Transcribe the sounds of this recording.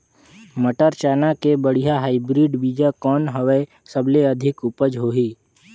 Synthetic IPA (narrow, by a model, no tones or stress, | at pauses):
məʈəɾt͡ʃaːnakebəɽ̤ijaɦaːibɾiːɖbiːd͡ʒakɔːnɦəʋe | səbleəd̪ʱɪkʊpəd͡ʒɦoːɦiː